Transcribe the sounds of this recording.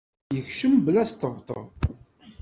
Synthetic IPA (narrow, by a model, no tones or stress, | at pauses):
jəçʃəmblæst̪əvt̪ˤə̰ðˤ